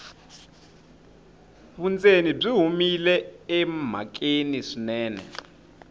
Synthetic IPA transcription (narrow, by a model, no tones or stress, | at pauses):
ɸund͡zenib͡ʐiɦumilɛɛm̤a̰k̬ʼeniʂinɛːnɛ̰